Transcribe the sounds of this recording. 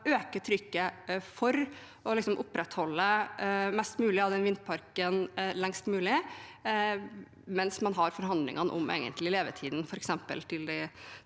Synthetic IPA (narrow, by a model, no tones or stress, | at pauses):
øːkət̪ʰɾʏkːəfɔɾ | ɔlɪksɔmʔʊpːɾɛt̪hɔlːəmɛst̪mʉːlɪɑʋd̪ɛnʋɪnt̪̚pʰɑɾkənlɛŋst̪mʉːlɪ | mɛnsmɑnɦɑɾfɔɾɦɑnd̪lɪ̰ŋɑnʔʊ̰mḛːɡə̰nt̪lɪɪleːʋət̪ʰiːd̪n̩fɔɾɛksɛmpə̰lt̪ʰɪld̪ɪ